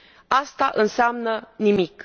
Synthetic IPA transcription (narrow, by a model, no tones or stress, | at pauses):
ast̪aʔɨnseamnənimik